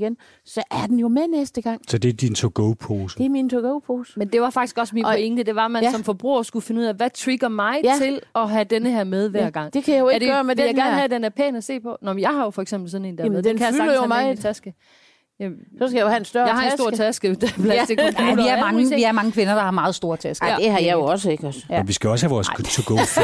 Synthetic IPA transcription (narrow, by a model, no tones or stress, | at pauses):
ɡ̥en | sɒ̽ʔæɐd̥en̩jo̝menesd̥əɡ̥ɑ̈ŋ̰sɒd̥e̝d̥int͡sʰoɡ̥oʊpʰoːsd̥emint͡sʰoɡ̥oʊpʰoːsmend̥e̝ʋɑ̈fɑ̈ɡ̥i̥sɡ̥ɒ̽sminpoeŋd̥əd̥e̝ʋɑ̈mænsɒ̽mfɒ̽b̥ʁṵːɐsɡ̥ufe̝nəuð̰ˠæʋæt͡sʰʁiɡ̥ɐmɑ̈ɪt͡sʰe̝lɒ̽ɦæd̥enəɦæɐ̰með̞ˠʋæɐ̰ɡ̥ɑ̈ŋ̰d̥e̝kʰæjajoe̥deːɐmedejaɪɡæɐnhæd̥endæɐpʰɛ̰ːnæse̝̰ːpʰɒ̽nɒmjɑ̈ɪhɑ̈jo̝fɒ̽eɡ̥semb̥l̩sɒ̽ne̝̰ːnd̥ææð̩ˠekʰæjayɑ̈ɡlɐi̥jomt͡sʰæsɡ̥ə | jæsɒskɡ̥æjohæensd̥ɶɐjɑ̈ɪɑ̈esso̝ɐ̰t͡sʰæsɡ̥əd̥pʰlæd̥ikuliæɐmɑŋəʋiæɐmɑ̈ŋəkʰʋe̝nɐd̥ɑ̈hɑ̈mɑ̈ːð̩ˠsd̥o̝ɐt͡sʰæsɡ̥d̥ehɑ̈jɑ̈joɒ̽səeɡ̥ɔsənʋisɡ̥æɒ̽shæʋɒːst͡sʰoɡ̥ʰo